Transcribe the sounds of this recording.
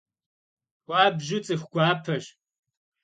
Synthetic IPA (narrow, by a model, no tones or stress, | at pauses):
xʷaːbʒɪt͡sʼɨxʷɡ̥ʷaːpʰɐɕ